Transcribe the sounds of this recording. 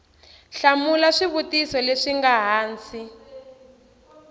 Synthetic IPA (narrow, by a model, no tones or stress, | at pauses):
ɬamulaʂiβutisɔleʂiŋɡaɦaːnt͡si